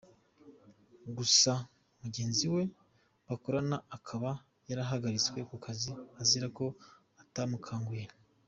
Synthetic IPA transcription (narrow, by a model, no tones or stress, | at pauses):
ɡusa | muɟe̞ːnziwe̞ | βakoɾanaakʰaβa | jaɾaɦaɡaɾit͡skwe̞kukʰaziaziɾako̞ | atamukʰaːŋɡiɾa